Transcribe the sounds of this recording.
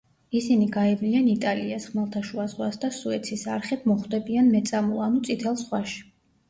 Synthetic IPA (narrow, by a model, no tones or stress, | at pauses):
isiniɡaɛblianit̪ʼaliasχmalˠt̪ʰaʃuazʁwasd̪asuɛt̪sʰisaɾχɛb̚ʰmɔχd̪ɛbianmɛt̪sʼamulˠanut̪sʼit̪ʰɛlˠsʁwaʃi̥